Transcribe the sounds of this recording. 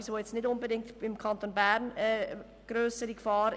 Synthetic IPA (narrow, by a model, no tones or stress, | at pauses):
isʋoːjɛt͡snɪdʊnbədɪŋktbɪmkʰɑntonbæɾnɛ | ɡ̥ɾøːsəɾikfɑːɾ